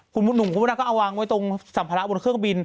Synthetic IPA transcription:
kʰu˧nbu˧nːu˨˩ŋku˧˥naː˧kɔ˥˩ʔa˧waː˧ŋwa˦˥jt̪o˧ŋsa˨˩˦pʰaː˧ɾa˦˥bo˧nkʰɯ˥˩əŋbi˧n

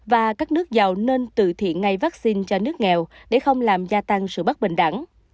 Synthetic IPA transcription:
vaː˨˩kaː˦˥k̚nɨ˦˥ək̚za˨˩wne˧nt̪ɨ̰˧˨t̪ʰḭ˧˨ənŋa˧jvaː˦˥k̚si˧nt͡ɕɔ˧nɨ˦˥ək̚ŋɛ˨˩wɗḛ˧˩˦xə˧wŋ͡mlaː˨˩mzaː˧t̪a˧ŋsɨ̰˧˨ɓə˦˥t̚ɓï˧˨ŋ̟ɗa̰˧˩˦ŋ

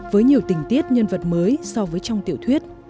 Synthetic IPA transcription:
vəː˨˦jɲi˨˩əwt̪ï˨˩ŋ̟t̪i˦˥ət̚ɲə˧nvə˨˩t̚məː˨˦jsɔ˧vəː˨˦jt͡ɕɔ˧wŋ͡mt̪ḭ˧˨əwt̪ʰwi˦˥ət̚

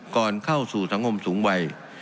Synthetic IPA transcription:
kɔː˨˩nkʰa˥˩wsuː˨˩sa˩˦ŋkʰo˧msuː˩˦ŋwa˧j

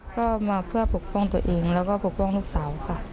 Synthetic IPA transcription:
kɔː˥˩maː˧pʰɯ˥˩ɐpʰo˨˩k̚pʰɔː˥˩ŋt̪u˧ɐʔeː˧ŋlɛː˦˥wkɔː˥˩pʰo˨˩k̚pɔː˥˩ŋluː˥˩k̚saː˩˦wkʰa˧˥˩

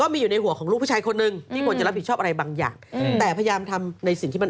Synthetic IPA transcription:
kɔː˥˩miː˧juː˨˩na˧jɦu˩˦kʰɔː˩˦ɾuː˥˩pʰuː˥˩t͡ɕaː˧jkʰo˧nːɯ˨˩ŋt̪ʰiː˥˩kʰu˧ənt͡ɕa˨˩ɾa˦˥p̚ʰːi˩t͡ɕʰɔ˥˩ʔa˧ɾa˧jbaː˧ŋja̰ː˨˩ŋt̪ɛː˨˩pʰa˧ja˧jaː˧mt̪ʰa˧mna˧jsi˨˩ŋt̪ʰiː˥˩ma˧˨

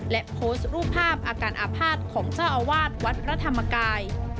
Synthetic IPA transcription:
lɛ˦˥ʔpʰoː˦˥st̪̚ɾuː˥˩pʰːaː˥˩p̚ʔaː˧kaː˧nʔaː˨˧pʰaː˥˩t̪̚kʰɔː˩˦ŋsaː˥˩wʔa˧waː˥˩t̪̚wa˦˥t̪̚pʰɾa˦˧˥t̪ʰa˧mːa˧kaː˧j

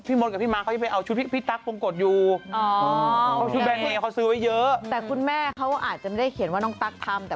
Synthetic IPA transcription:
pʰiː˥˩mo˧n̚ka˨˩pʰiː˥˩maː˦˥ka˦˥t͡ɕa˨˩pa˧˩jʔa˧wt͡ɕʰu˦˥pʰi˥˩pʰiː˥˩t̪a˦˥k̚lu˧ŋko˨˩t̪̚juː˨˩˨ | u˦˥t̚bɛː˧ni˥˩˨ɔ˦˥sɯː˦˥wa˦˥jɤ˦˥t̪ɛː˨˩kʰu˧nmɛː˥˩kʰa˦˥wʔa̰ː˨˩t̪̚t͡ɕa˨˩ma˥˩da˥˩jkʰi˩˦nwaː˥˩nɔː˧˥˩ŋt̪a˦˩k̚t̪ʰa˧mt̪ɛː˨˩

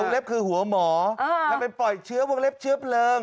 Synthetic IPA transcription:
ə˧le˦˥p̚kɨ˧hu˨˦əmɔ˨˩˦aː˨˩ɓe˧˩npɔ˨˩jt͡ɕɨ˨˦əwŋle˦˥p̚t͡ɕɨ˦˥əp̚ləː˧n

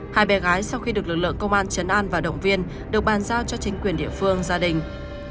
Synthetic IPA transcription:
haː˧˩jɓɛ˨˦ɣaː˨˦jsa˧wxi˧ɗɨ˨˩ək̚lɨ˨˩k̚lɨ̰˧˨əŋkə˧wŋ͡mʔaː˧nt͡ɕə˨˦nʔaː˧nvaː˨˩ɗə̰˧˨wŋ͡mvi˧ən | ɗɨ˨˩ək̚ɓaː˨˩nzaː˧wt͡ɕɔ˧t͡ɕï˨˦ŋ̟kwi˨˩ənɗḭ˧˨əfɨ˧əŋzaː˧ɗï˨˩ŋ̟

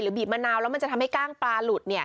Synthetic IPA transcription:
ɾɯː˩˦biː˨˩p̚maː˧naː˧wlɛ˦˥ma˧nt͡ɕa˨˩t̪ʰa˧mha˥jkaː˥˩ŋpɾaː˧lu˨˩ni˥˩ɐ

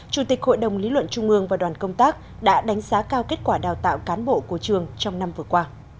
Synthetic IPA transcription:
t͡ɕu˧˩t̪i˨˩k̚ho̰˧˨jɗə˨˩wŋ͡mli˨˦lwə̰˧˨nt͡ɕʊ˧ŋ͡mʔɨ˧əŋvaː˨˩ɗwaː˨˩nkə˧wŋ͡mt̪aː˦˥k̚ | ɗa̰ː˧˥ɗa˨˦ŋ̟zaː˨˦kaː˧wke˦˥t̚kwaː˧˩ɗaː˨˩wt̪a̰ː˧˨wkaː˨˦nɓo̰˧˨ku˧˩ət͡ɕɨ˨˩əŋt͡ɕɔ˧wŋ͡mna˧mvɨ˨˩əkwaː˧

